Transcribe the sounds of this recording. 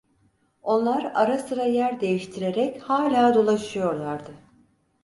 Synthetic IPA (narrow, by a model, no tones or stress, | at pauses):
o̞nlˠaɾaɾasɯɾajæɾd̪e̞jiʃt̪ʰiɾe̞ɾɛchaːlʲaːd̪o̞lˠaʃɯjo̞ɾlˠaɾd̪ɯ